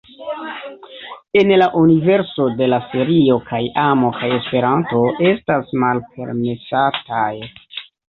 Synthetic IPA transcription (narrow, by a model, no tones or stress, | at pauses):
e̞nlaʔunive̞ɾso̞de̞lase̞ɾio̞kʰajamo̞kaje̞spe̞ɾanto̞e̞stasmalpe̞̰ɾme̞sataj